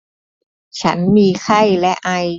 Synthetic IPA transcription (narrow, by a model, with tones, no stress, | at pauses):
t͡ɕʰa˦˥nmiː˧kʰa˥˩jlɛ˦˥ʔa˧j